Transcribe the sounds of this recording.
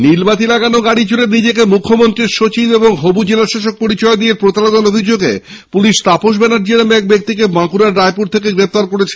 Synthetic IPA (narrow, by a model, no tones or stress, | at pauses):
nilbat̪ilaɡanoɡaɽit͡ɕuɾeɾnid͡ʑekemukʰːomont̪ɾiɾʃot͡ɕibeboŋɦobud͡ʑelaʃaʃok̚poɾit͡ɕɔed̪ieɾpɾot̪alod̪aɾobʱid͡ʑoɡe | puliʃt̪apoʃ̬bɛnaɾd͡ʑiɾamɛk̚bek̚t̪ikebãkuɾaɾːajpuɾt̪ʰekeɡɾep̚t̪aɾkoɾet͡ɕʰe̥